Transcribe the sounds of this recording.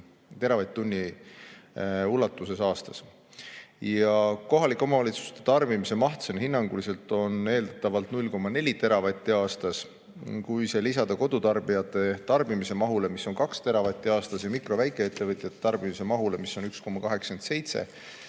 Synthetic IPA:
t̪e̞ɾɑvɑjt̪ːunʲːi | ulɑt̪ːˑusesɑːst̪ɑs | jɑko̞ɦɑlikːˑo̞mɑvɑlʲit̪su̥st̪e̥t̪ɑrb̥imise̞mɑht̪senhinːɑŋɡ̥ulise̞lt̪ˑo̞ne̞ːld̪ɑ̥t̪ːˑɑvɑlt̪nulʲko̞mːɑne̞lʲit̪e̞ɾɑvɑt̪ʲːiɑːst̪ɑs | kujse̞lisɑd̪̥ɑko̞d̪̥ut̪ɑrb̥ijɑt̪ːˑe̞t̪ɑrb̥imise̞mɑɦule̞misːo̞nkɑkst̪e̞ɾɑvɑt̪ʲːˑiɑːst̪ɑsjɑmikro̞væjkːˑe̞et̪ːˑevɤt̪ʲˑjɑt̪ːet̪ɑrb̥imise̞mɑɦule̞miso̞nyksko̞mːɑkɑɦe̞kske̞nt̪se̞jt̪se̞̰

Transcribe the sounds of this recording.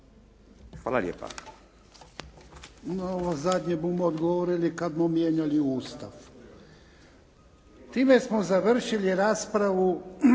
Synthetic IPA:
xa̰ːlˠa̰lʲjḛːpa̰ | noʋozad̪ɲebumood̪ɡoʋoɾilikad̪momjeːɲaliuːst̪aʋ | t̪iːme̞smozaʋr̩ʃiliɾaːspɾaʋu

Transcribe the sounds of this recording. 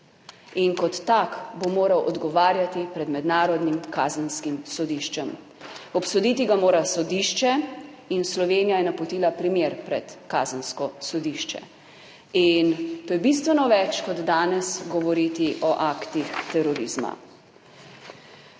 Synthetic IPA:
inkɔt̪ːakbomoːɾawʔɔd̪ɡɔʋaːɾjat̪ipɾɛd̪mɛd̪naːɾɔd̪nimkaːzənskimsɔd̪iʃt͡ʃɛm | ɔpsod̪iːt̪iɡamoːɾasɔd̪iːʃt͡ʃɛ | inslɔʋeːnijajɛnapɔt̪iːlapɾimeːɾpɾɛt̪kaːzənskɔsɔd̪iʃt͡ʃɛ̰ | int̪oːjɛbis̬t̪ʋɛnɔʋɛt͡ʃkɔd̪ːaːnɛsɡɔʋɔɾit̪iʔɔʔakt̪ixt̪ɛɾɔɾizma̰

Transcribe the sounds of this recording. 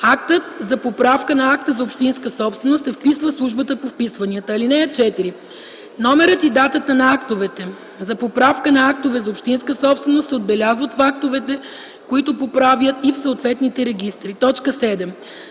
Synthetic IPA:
ak̚t̪ət̪̚zɐpopɾafkənɐak̚t̪əzɐopʃt̪inskəsɔpst̪vɛnost̪sɛfpisvəfslˠuʒbət̪əpofpisvɐniət̪əlinɛɛt͡ʃɛt̪iɾi | nɔmɛɾət̪id̪at̪ət̪ənɐakt̪ovɛt̪ɛ | zɐpopɾafkənɐak̚t̪ovɛzɐopʃt̪inskəsɔpst̪vɛnost̪sɛod̪̚bɛlʲazvət̪fak̚t̪ovɛt̪ɛ | koit̪opopɾavjət̪ifsəot̪vɛt̪nit̪ɛɾɛɡ̟ist̪ɾit̪ɔt͡ʃkəsɛd̪ɛm

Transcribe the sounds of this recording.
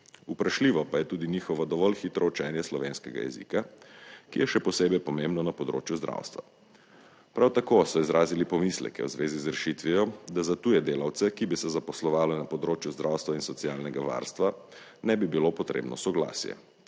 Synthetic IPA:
upɾaʃliːʋɔpajɛt̪uːd̪inixɔʋɔd̪ɔʋɔlxit̪ɾɔut͡ʃɛːnjɛslɔʋenskɛɡa̰jɛ̰zḭkakijɛʃɛpɔseːbɛjpɔmẽmbnɔnapɔd̪ɾo̰ːt͡ʃjuzd̪ɾʔa̰ːwst̪ʋa̰ | pɾawt̪akosɔizɾaːzilipɔmislɛ̰kɛ̰wzʋeːzizɾɛʃit̪ʋijɔd̪azat̪ujɛd̪eːlawt̪sɛkibisɛzapɔslɔʋaːlɛnapɔd̪ɾoːt͡ʃjuzd̪ɾʔawst̪ʋainsɔtsialnɛɡaʋa̰ɾst̪ʋa | nɛbibilopɔt̪ɾḛbnɔsɔɡla̰ːsjɛ̰

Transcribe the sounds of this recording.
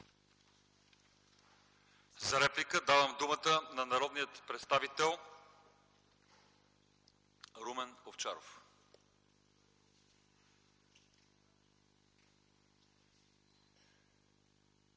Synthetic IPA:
zɐɾɛplikəd̪avəmd̪umət̪ənɐnɐɾɔd̪nijət̪pɾɛt̪st̪avit̪ɛlˠ | ɾumɛnoft͡ʃaɾo̰f

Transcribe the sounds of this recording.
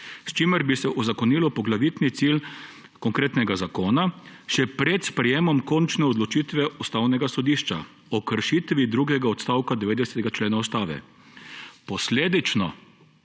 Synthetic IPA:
st͡ʃimɛɾbisɛʔuzakɔniːlɔpɔɡlaʋiːt̪nit̪sil | kɔŋkɾeːt̪nɛɡazakoːnaʃɛpɾɛt̪spɾɛjeːmɔmkɔnt͡ʃnɛɔd̪lɔt͡ʃiːt̪ʋɛust̪awnɛɡasɔd̪iːʃt͡ʃa̰ | ɔkəɾʃit̪ʋid̪ɾuɡɛɡaɔt̪st̪awkad̪ɛʋeːd̪ɛsɛ̥t̪ɛɡat͡ʃleːnaust̪aːʋɛ̰ | pɔsleːd̪it͡ʃnɔ

